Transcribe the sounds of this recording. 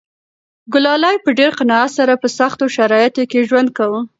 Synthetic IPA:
ɡʊlɑlajpəɖeɾqanɑat̪saɾapəsaxt̪oʃaɾɑjɪt̪okeʒwand̪̚kawə

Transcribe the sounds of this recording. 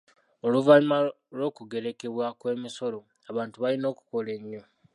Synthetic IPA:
oluvalima | lo̞ːkuɡe̞ɾe̞ke̞βwakwe̞ːmiso̞lo̞ | aβaːntuβalino̞ːku̥ko̞le̞ɲːo̞

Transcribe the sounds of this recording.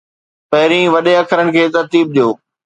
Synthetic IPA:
pɐɦɪɾĩːʋɐɗẽɐkʰəɾəɽ̃̆kʰeːt̪ɐɾt̪iːb̚ɗijoː

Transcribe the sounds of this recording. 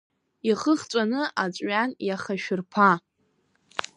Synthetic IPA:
iχəχt͡sʷʼanɨʔat͡sʷʼɥanjaχaʃᶣɪrpʰa

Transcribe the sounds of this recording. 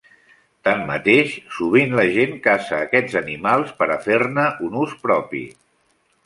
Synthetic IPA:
t̪amːə̰t̪eʃsuβ̞inləʒenkasəːkɛd͡zənimalˠspəɾəfernəʔunuspɾɔpḭ

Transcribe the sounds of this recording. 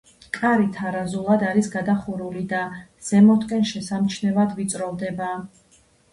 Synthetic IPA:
kʼaɾit̪ʰaɾazulˠad̪aɾisɡad̪aχuɾulid̪a | z̥ɛmɔt̪ʰʼkʼɛnʃɛsamt͡ʃʰnɛvad̪vit̪sʼɾɔvd̪ɛba

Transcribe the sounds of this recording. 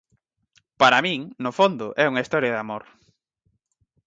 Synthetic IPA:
paɾamĩŋnofond̪ʊʔɛuŋɐist̪ɔɾjɐðamoɾ

